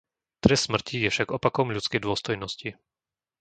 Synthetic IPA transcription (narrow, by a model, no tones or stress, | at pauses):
t̪ɾɛst̪ːsmr̩cijɛfʃaɡɔpakɔmʎut͡skɛjd̪ʊɔst̪ɔjnɔsci